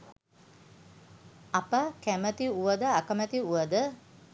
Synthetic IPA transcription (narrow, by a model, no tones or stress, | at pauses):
apəkæmət̪iuʋəd̪əakəmət̪iuʋəd̪ə